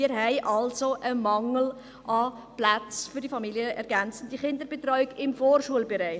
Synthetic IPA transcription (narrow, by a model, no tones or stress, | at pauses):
ɪːɾɦɛɪʔɑlsoʔəmɑŋl̩ | ʔɑ | plat͡sfʏɾdifɑmiljəʔɛɾɡænt͡sn̩d̥iχɪndəɾbetɾɔʏɪɡɪmfoːrʃuəlbeɾaɪ